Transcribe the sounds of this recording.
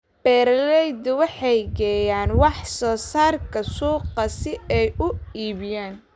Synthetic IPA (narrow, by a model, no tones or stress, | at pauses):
b̥ɛːɾlɛjd̪ʊwɑħɑjɡɛːjaːnwɑħsɔːsaːrkʰɐsuːqɐsɪɛjʔʊiːβjaːn